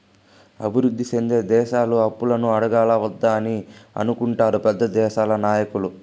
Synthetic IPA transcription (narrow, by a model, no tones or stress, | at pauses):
ɐ̰bʱiɾud̪ːisend̪e̞ːd̪ɛːʃaːluɐpːulɐnuɐɽɐɡaːlɐʋɐd̪ːaːniɐ̰nukuɳʈaːɾupɛd̪ːɐd̪ɛːʃaːlɐnaːjɐkulu